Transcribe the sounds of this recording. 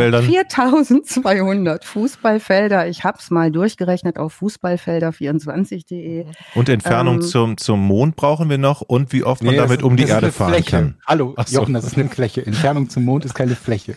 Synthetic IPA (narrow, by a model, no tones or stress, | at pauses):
ɛldanfiːɐtʰaʊzn̩tt͡sv̥aɪhʊndɐtfuːsb̥alfɛldɐɪçhaːpsmaːldʊɐçɡ̥əʁɛçnəta̰ʊfːuːsb̥alfɛldɐfiːɐʊnt͡sv̥a̰nt͡sɪçd̥eːʔeːʔʊntɛntfɛɐnʊŋt͡sʊmt͡sʊmːoːnt̚b̥ʁaʊχn̩viːɐnɔχʊntv̥iːʔɔftmaadamɪtʔʊmdiːʔeːɐdəəfa̰ːʁɛnkʰanhaloajɔχn̩dasɪstnəflɛçəɛntfɛɐnʊŋt͡sʊmːoːntɪstkʰaɪnəflɛçə